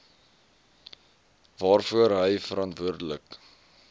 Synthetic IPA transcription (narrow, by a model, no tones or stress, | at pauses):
vɑːrfuəɾɦəjfəɾʔɐntvuərdələk